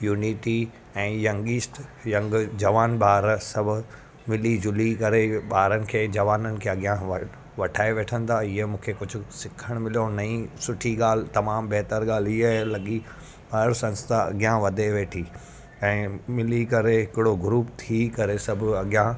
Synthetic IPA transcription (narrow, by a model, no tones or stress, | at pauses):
juːniʈi | ɛ̃ːjɐ̃ŋɡiːsʈjɐ̃ŋɡd͡ʑɐʋaːnɓaːɾsɐbʱʊ | mɪlid͡ʑʊlikɐɾeɓaːɾənɪ̆kʰeːd͡ʑɐʋaːnənɪ̆kʰeːɐɠijã | ʋɐʈʰaːeʋeːʈʰə̃nd̪aːɪəmũːkʰekʊd͡ʑʱʊsɪkʰəɽ̃mɪlijonɐĩsʊʈʰiɡaːl̤t̪ɐmaːmbɐɦt̪əɾɠaːl̤iəlɐɠi | ɐɾsɐ̃nst̪ʰaɐ̰ɡjãʋɐd̪ʱeʋeːʈʰi | ɛ̃ːmɪlikɐɾeɦɪkɪɽoɡɾuːpt̪ʰikɐɾesɐbʱɐɠjã